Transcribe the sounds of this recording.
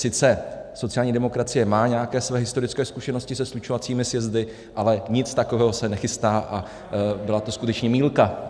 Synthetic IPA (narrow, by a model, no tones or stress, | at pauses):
sɪt͡sɛso̞t͡sɪaːlɲiːdɛmo̞kɾat͡sɪjɛmaːɲɛakɛːsvɛːɦɪst̪o̞ɾɪt͡skɛːskuʃɛno̞scɪsɛslut͡ʃovat͡siːmɪsjɛzdɪ | ʔalɛɲɪt͡st̪akovɛːɦo̞sɛnɛxɪst̪aːʔa | bɪlat̪o̞skut̪ɛt͡ʃɲɛmiːlka